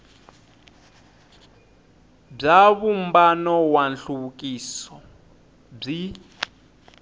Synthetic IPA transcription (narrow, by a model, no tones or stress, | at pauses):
b͡ʐaβumbanɔwanɬuβukʼisɔ | b͡ʐi